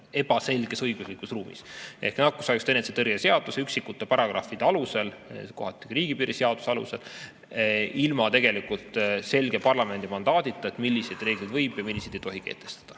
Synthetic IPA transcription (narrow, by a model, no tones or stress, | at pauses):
e̞b̥ɑse̞lɡ̥e̞sɤjɡ̥uslikusruːmḭse̞̰hknɑkːusɑjkst̪eneset̪erɡese̞ɑd̪̥useyksikːut̪ːˑepɑɾɑɡ̥rɑ̰fid̪̥ɑluselko̞ɦɑt̪ːˑiriːɡ̥ipiːɾiseɑd̪̥useɑlṵse̞l | ilmɑt̪e̞ɡe̞likult̪ˑse̞lɡ̥e̞pɑrlɑme̞nd̪̥imɑnd̪̥ɑːd̪it̪ːˑɑet̪milːised̪̥re̞ːɡ̥lid̪̥vɤjb̥jɑmilʲːised̪̥ejt̪o̞ɦikḛːt̪e̞̥st̪ɑ̥d̪̥ɑ̥